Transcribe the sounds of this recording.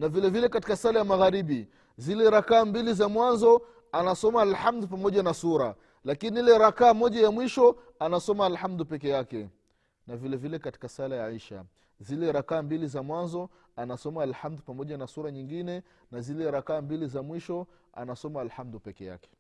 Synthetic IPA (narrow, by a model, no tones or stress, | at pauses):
navilɛvilɛkati̥kasalajamaɣaɾiɓi | zilɛɾakaːmbilizamwanzɔ | anasɔmaːlhamd̪up̬amɔʄanasuɾa | lakiniilɛɾakaːmɔʄajamwiʃɔ | anasɔmaːlhamd̪upɛkɛjakɛ | navilɛvilɛkati̥kasalajaʕiʃa̰ | zilɛɾakaːmbilizamwanzɔ | anasɔmaːlhamd̪upamɔʄanasuɾaɲiŋɡinɛ | nazilɛɾakaːmbilizamwiʃɔ | a̰nasɔmaːlhamd̪upɛkɛ̰ja̰kɛ̥